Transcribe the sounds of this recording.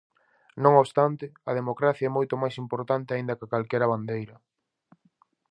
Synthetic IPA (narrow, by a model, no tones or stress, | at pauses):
nõŋoβst̪ant̪ɪɐð̞emokɾaθjaɛmojt̪omajsimpoɾt̪ant̪ɪaind̪ɐkakalkɛɾɐβand̪ejɾɐ